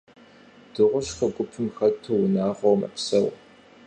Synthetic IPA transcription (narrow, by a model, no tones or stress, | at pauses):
d̥ɨʁʷʊɕxɐɡʷʊpʰɨmxɐtʰːɨwnaːʁʷowmɐ̰psɐw